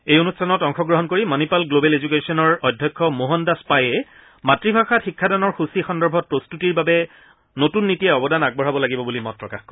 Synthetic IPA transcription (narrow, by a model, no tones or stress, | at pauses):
ejonustʰanɔtɔŋxɔɡɹɔɦɔnkoɹimɔnipalɡlobɛlezuk̬esɔnɔɹɔjdʱjɔkʰːɔmoɦɔndaspajɛ | matɹibʱaxatxikʰːadanɔɹxusixɔndɔɹbʱɔt̚pɹostutiɹbabɛ | notunːitijɛɔbɔdanaɡ̚bɔɦabɔlaɡibɔbulimɔtːɹɔka̰xkɔ